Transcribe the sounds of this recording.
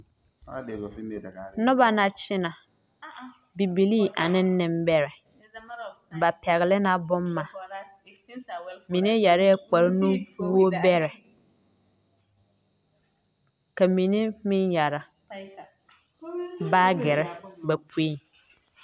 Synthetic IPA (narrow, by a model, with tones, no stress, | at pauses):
nʊ̃˦ba˨nã˨t͡ɕʰɪ˦nã˨ | bi˨bi˨li˦ʔa˨nɪ̃˦n̩˦nɪ̃˦˨m˦bɛ˦ɾɪ˨ | ba˨pʰɛ˨ɣlɪ˦nã˨bʊ̃˦mː˦ã˨ | mĩ˨nɪ̃˦ja˨ɾɪ˦ɛ˦k͡pa˨ɾnũ˦wo˦bɛ˦ɾɪ˨ | ka˨mĩ˨nĩ˦mĩ˦nja˨ɾa˨ | baː˦ɡɪ˨ɾɪ˦bɛ˨pʰu˦i˦˨n